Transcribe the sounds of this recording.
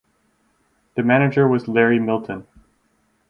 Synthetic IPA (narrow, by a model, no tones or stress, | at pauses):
ðɨmæñɨd͡ʒə˞wʌzlɛɹimɪlˠtʰɨ̃n